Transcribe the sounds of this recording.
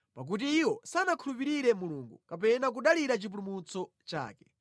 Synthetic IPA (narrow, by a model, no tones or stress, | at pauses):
pak̬ut̬iːwɔsanakʰulupiɾiɾɛmuluŋɡukap̬ɛnak̬uɗaliɾat͡ʃipulumut͡sɔ | t͡ʃa̰ːkɛ